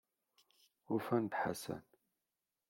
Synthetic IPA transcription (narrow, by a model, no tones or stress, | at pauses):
ufænd̪ħa̰sæ̰n